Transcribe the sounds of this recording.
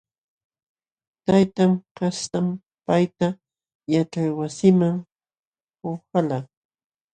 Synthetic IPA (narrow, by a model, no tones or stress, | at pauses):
t̪ajt̪amkast̪am | pajt̪a | jaʈ͡ʂajwasɪmaŋ | hoxala